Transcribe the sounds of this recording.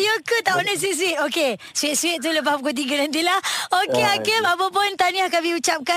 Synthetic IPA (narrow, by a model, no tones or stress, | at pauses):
jəkət̪aʔənəs̬is̬uit̪oke | suwɪt̪̚swɪt̪̚t̪uləp̬ahpukot̪̬iɡənant̪̬ilahokeakəmapəpʊnt̪aniahkamiut͡ʃap̚ka